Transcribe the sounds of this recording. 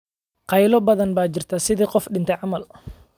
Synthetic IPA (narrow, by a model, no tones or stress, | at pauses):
qɑjlɔbɐðɐnbaːt͡ʃɪrt̪ʰasɪðiːqɔfɗɪnt̪ʰɛjʕɑmɐl